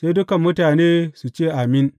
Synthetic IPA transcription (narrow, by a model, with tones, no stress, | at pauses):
se˦jdʊ˦kɐ˨mːʊ˦taː˨neː˦su˨t͡ʃeː˦˨ʔa˨mɪ˦n